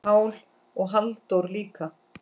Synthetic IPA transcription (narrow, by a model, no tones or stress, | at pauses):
aːwl | ɔɣɦalt̪owɾliːka